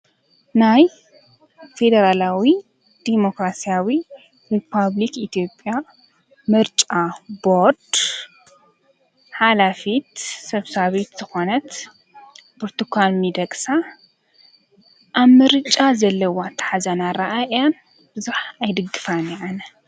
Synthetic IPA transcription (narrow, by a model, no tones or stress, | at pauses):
naj | fe̞d̪ɐɾalawi | d̪̥emo̞kɾasijawi | ɾipʰaβlikit̪ʰijo̞pʼja | mɨɾt͡ʃʼaboɾd̪̥ | ħalafit̪sɐβsaβet̪z̥ɨxonɐt̪ | boɾt̪ʰukʰʷalmid̪ɐkʼsa | ʔaβmɨɾɨt͡ʃʼazɐlːɐwat̪ʰːɐ̥ħazɐnaɾaʔaʔjan | bɨzuħajd̪ɨɡːɨfanɛʕanɐ